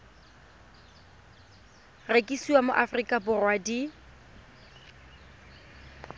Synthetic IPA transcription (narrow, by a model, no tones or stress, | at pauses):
rekʼisiwamʊʔafrikʼabʊrwadi